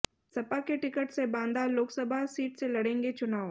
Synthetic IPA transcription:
sɐpakeʈɪkəʈsebãːnd̪aloːksəbʱasiːʈselɐɽẽːŋɡet͡ʃʊnaːo

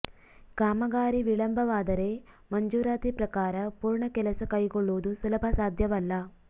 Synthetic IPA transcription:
kaːmɐɡaːɾiʋiɭɐmbʱɐʋaːd̪ɐɾe̞ː | mɐɲd͡ʒuːɾaːt̪ipɾɐkaːɾɐpuːɾɳɐkɛlɐsɐkɐjɡɔɭːoːd̪usulɐbʱɐsaːd̪ʱjɐʋɐlːɐ

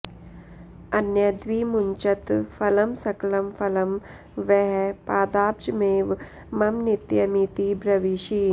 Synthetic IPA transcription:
ɐnjɐd̪ʋiːmuɲt͡ʃɐt̪fɐlɐmsɐklɐmfɐlɐm | ʋɛɦpaːd̪aːb̚d͡ʒmeːʋ | mɐmnit̪jɐmit̪ibɾɐʋiʃiː

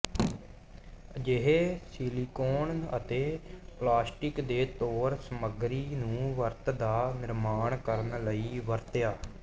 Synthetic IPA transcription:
d͡ʒeɦeːsiːliːkoːnə̰t̪eːplaːsʈɪkd̪eːt̪oːɾsəməɡɾiːnũːʋəɾt̪d̪aːnɪɾmaːɳkəɾnləiːʋəɾt̪jaː

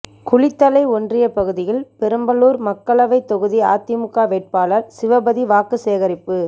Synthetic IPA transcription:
kʊɭɪt̪ːɐlɐɪɔndrɪjɐpɐɣɯðɪjɪlpɛɾɯmbɐluːɾmɐkːɐɭɐʋɐɪt̪ːɔɣɯðia̰ːt̪ːɪmɯkːaːʋeːʈ̚paːlɐɾsɪʋɐbɐðiʋaːkɯseːɣɐɾɪpːɯ

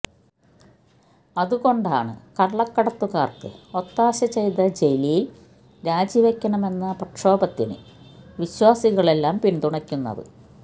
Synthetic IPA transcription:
ɐðuɣo̞ɳɖa̰ːɳɨ̰kɐɭːɐkːɐɽɐt̪ːuɣaːrkɨ̰o̞t̪ːaːɕɐt͡ɕe̞jt̪ɐd͡ʑejlijl | ɾaːd͡ʑiʋekʲːɐɳɐme̞nːɐprɐʈʂo̞ːbɐt̪ːinɨ̰ʋiɕwaːsiɣɐɭe̞lːaːmpind̪uɳɐkʲːunːɐ̰ðɨ̰

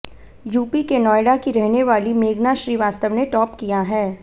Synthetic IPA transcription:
juːpikenɔːjɽakiɾɛɦneʋaːlimeːɡnaʃɾiːʋaːst̪əʋneʈɔːp̚kijaɦɛː

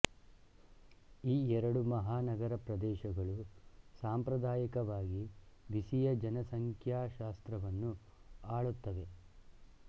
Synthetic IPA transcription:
iːɛɾɐɽumɐɦaːnɐɡɐɾɐpɾɐd̪ɛːʃɐɡɐɭusaːmpɾɐd̪aːjikɐʋaːɡiʋisijɐd͡ʒɐnɐsɐŋkʰjaːʃaːst̪ɾɐʋɐnːu | aːɭut̪ːɐʋe̞

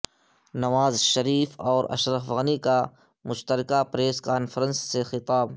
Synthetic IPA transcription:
nɐʋaːzʃɐɾiːfɔːɾɐ̰ʃɾəfɣənika | mʊʃt̪əɾɪkapɾeːskaːnfʰəɾə̃nsːexɪt̪aːb

